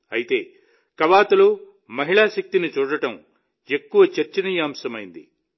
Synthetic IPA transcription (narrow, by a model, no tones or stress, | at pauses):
ɐjit̪e̞ː | kɐʋaːt̪ɐloː | mɐɦiɭaːʃɐk̚t̪init͡ʃuːɽɐʈɐm | e̞kːuʋɐt͡ʃɐɾt͡ʃɐnijaːmsɐmɐjind̪ḭ